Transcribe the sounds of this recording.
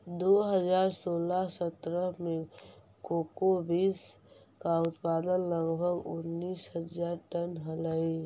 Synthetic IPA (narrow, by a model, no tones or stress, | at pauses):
d̪oɦəd͡ʒaːɾsoːlasət̪ɾəɦmẽ | koːkobiːs | kaʊt̪paːd̪ənləɡbʱəɡʊnːiːsɦəd͡ʒaːɾʈənɦələi